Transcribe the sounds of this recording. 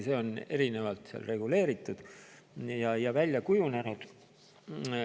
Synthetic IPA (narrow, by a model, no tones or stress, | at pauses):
se̞o̞ne̞ɾine̞vɑlt̪sḛɑ̰lre̞ɡ̥ule̞ːɾit̪ːˑud̪̥ | jɑjɑvælʲjɑkujunenud̪̥